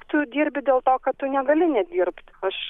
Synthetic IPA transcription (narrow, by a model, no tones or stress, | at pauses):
t̪ʊd̪ʲiːɾʲbʲɪd̪ʲeːlˠt̪oːkɐtt̪ʊnʲɛɡɐlʲɪnʲɛd̪ʲiːrpt̪ɐʃ